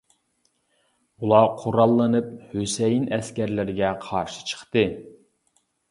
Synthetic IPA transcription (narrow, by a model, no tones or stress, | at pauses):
ulˠɑqʰoɾɑlˠːɨnɨp̚høsɛjinɛskʲæɾlɪɾɪɡʲɛqʰɑɾʃɨ̥t͡ʃʰə̥χt̪ɨ